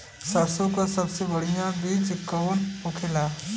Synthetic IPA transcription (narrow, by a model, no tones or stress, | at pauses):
sɐɾsõkasɐbseʋɐɽ̤ijãbiːd͡ʒkoːnʊkʰelaː